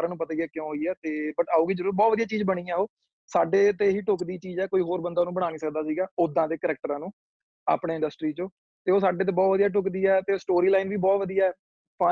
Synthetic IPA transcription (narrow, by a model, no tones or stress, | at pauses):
ɾãːnũːpət̪aːiɛːkjõːɦoːiːɛːt̪eːbəʈaːuːɡiːd͡ʒəɾuːɾbɔːt̪ʋəd̪ijaːt͡ʃiːzbəɽ̃iːãːoː | saːɖeːt̪eːɦiːʈʊkd̪iːt͡ʃiːzɛːkoːiːɦoːɾbənd̪aːnũːbəɽ̃aːniːsəkd̪aːsiːɡaːʊd̪ãːd̪eːkəɾɛk̚ʈəɾãːnũː | a̰ːpɽeːɪ̃ɳɖəsʈɾiːt͡ʃõː | t̪eːoːsaːɖeːt̪̬eːbɔːt̪ʋəd̪ijaːʈ̬ʊkd̪iːɛːt̪eːsʈoːɾiːlaːɪnʋiːbɔːt̪ʋəd̪ijaːɛː | pa